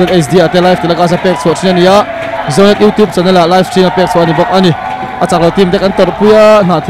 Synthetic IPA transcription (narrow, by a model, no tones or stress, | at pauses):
ɛt̪ɛs̬d̪iat̪ɛlajft̪ilakas̬apɛk̚t͡sʰutʰinaniaʔ | zɔwnɛt̪̚jut̪jup̚t͡sanalalajfstɾinapɛk̚t͡sʰuʔanibɔk̚ʔani | ʔat͡sak̚lɔt̪imd̪ɛkant̪ɔtpʰujan̥at̪ʰ